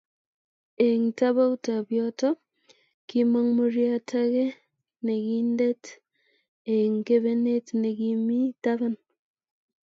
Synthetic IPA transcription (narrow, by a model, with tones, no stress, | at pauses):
e˨ŋta˦βa˦u˦ta˨bjɔ˦tɔ˦ | ki˦ma˦ŋmo˦ɾja˦tʰa˦ke˦ | ne˨ki˦nde˦t | e˨ŋke˦βe˦ne˦tne˨ki˨mi˦ta˦βa˦n